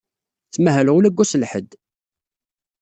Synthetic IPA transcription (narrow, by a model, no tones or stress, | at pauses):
θːmæɦælʁulæɡʷːusəlħəd̪